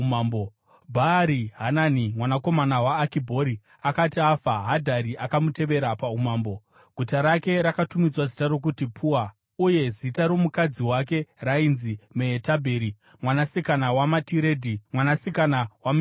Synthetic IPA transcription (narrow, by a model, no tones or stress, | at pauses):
abo | bʱaɾiɦananimwanako̞manawaːkibʱo̞ɾi | akatiafaɦadʱaɾiʔakamute̞ʋe̞ɾapaumaːmbo̞ | ɡ̥ʱutaɾake̞ɾakatumid͡zwazitaɾo̞k̬utipʰuwa | uje̞zitaɾo̞mukad͡ziwak̬e̞rainzimeetabʱe̞ːɾi | mwanasikanawamatiɾe̞ːdʱimwanasikanawam